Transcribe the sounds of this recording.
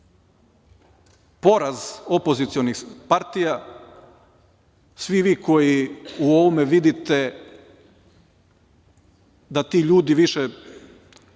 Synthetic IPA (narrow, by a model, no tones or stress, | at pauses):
po̞ɾazo̞po̞zit̪sionixpaɾt̪ija | sʋiʋiːkʰo̞jiuo̞ʋomeʋid̪it̪e | d̪at̪iːʎuːd̪iʋiʃɛ